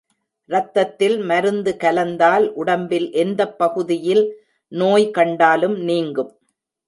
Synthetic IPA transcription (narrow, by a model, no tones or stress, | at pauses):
ɾɐt̪ːɐt̪ːɪlmɐɾɯnd̪ɯkɐlɐnd̪aːlʔʊɽɐmbɪlʔɛnd̪ɐpːɐɣɯðɪjɪl | noːjkɐɳɖaːlɯmniːŋɡɯm